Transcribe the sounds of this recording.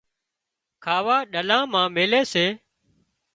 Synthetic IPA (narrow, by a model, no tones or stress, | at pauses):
kʰaːʋaːɗəlãːmãːmeːleːseː